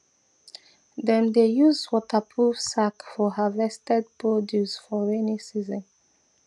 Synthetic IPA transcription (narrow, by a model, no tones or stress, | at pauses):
dɛ̃nd̪ejuzwɔtəpʰɹuvsakfɔhəvɛstɛd̚pʰɹɔdjusfɔɹɛnisizə̃n